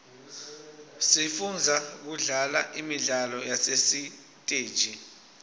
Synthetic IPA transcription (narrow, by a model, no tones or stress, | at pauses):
sifund͡zʱak̬uɮalaʔimiɮalɔjasesi | tʼeːd̥ʒ̥ʱi